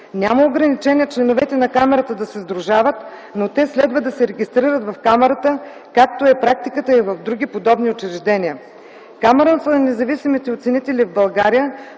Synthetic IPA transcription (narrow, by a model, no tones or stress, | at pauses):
nʲaməoɡɾɐnit͡ʃɛniət͡ʃlɛnovɛt̪ɛnɐkamɛɾət̪əd̪ɐsɛzd̪ɾuʒavət̪ | not̪ɛslɛd̪vəd̪ɐsɛɾɛɡʲist̪ɾiɾət̪vɐfkamɛɾət̪ə | kakt̪oɛpɾak̚t̪ikət̪əivɐvd̪ɾuɡʲipod̪ɔbniot͡ʃɾɛʒd̪ɛniə | kamɛɾənsənɐnɛzɐvisimit̪ɛot̪sɛnit̪ɛlivbɐlˠɡaɾijə